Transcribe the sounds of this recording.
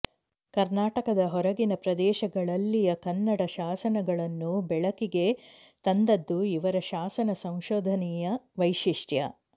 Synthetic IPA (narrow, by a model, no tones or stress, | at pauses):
kɐɾnaːʈɐkɐd̪ɐɦɔɾɐɡinɐpɾɐd̪ɛːʃɐɡɐɭɐlːijɐkɐnːɐɽɐʃaːsɐnɐɡɐɭɐnːubɛɭɐkiɡe̞ | t̪ɐnd̪ɐd̪ːuiʋɐɾɐʃaːsɐnɐsɐw̃ʃoːd̪ʱɐnɛjɐʋɐjʃiʂʈjɐ̰